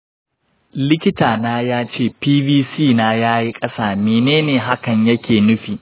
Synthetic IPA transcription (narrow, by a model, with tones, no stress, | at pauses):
lɪ˦kʲɪ˦taː˨naː˦jaː˦t͡ʃeː˦˨piː˦biː˦siː˦˨naː˦jaː˦ji˦kʼɐ˦saː˨meː˨neː˦neː˨ɦa˦kɐ˨ɲjɐ˦kʲʰeː˨nʊ˦ɸiː˨